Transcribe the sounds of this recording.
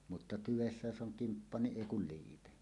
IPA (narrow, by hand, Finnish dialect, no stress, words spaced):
mutːɑ tyʋesːæ jos ʔoŋ kimpːɑ niʔ ʔeˑi kul liːpe